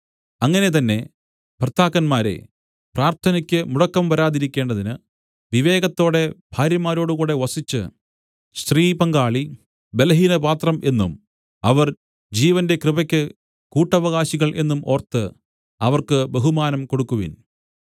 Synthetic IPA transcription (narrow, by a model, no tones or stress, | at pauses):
ɐŋːɐne̞t̪̬ɐnːe̞ | pʰrɐt̪ʰːaːkːɐnmaːɾḛ | praːrt̪ʰɐnɐkʲːɨmuɽɐkːɐmʋɐɾaːðiɾikʲːe̞ːɳɖɐðinɨ | ʋiʋe̞ːɡɐt̪ːo̞ːɽe̞bʱaːɾjɐmaːɾo̞ːɽɨkuːɽe̞ʋɐsit͡ɕːɨ̰ | st̪riːpɐŋɡaːɭi | be̞lɐɦiːnɐpaːt̪rɐmʔe̞nːum | ɐʋɐr | d͡ʑiːʋɐnde̞krɨbɐkʲːɨ | kuːʈːɐʋɐɣaːɕiɣɐɭʔe̞̰nːumʔo̞ːrt̪ɨ | ɐʋɐrkɨbeɦumaːnɐmko̞ɽukːuʋḭn